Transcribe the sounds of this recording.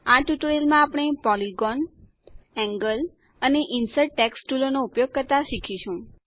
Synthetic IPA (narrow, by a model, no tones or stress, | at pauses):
aʈuʈoɾelmãapɽ̃epɔliɡɔn | ɛ̃ŋɡəl | əneʔinsəʈʈːɛksʈulonoupjoɡ̚kəɾt̪aʃikʰiʃũ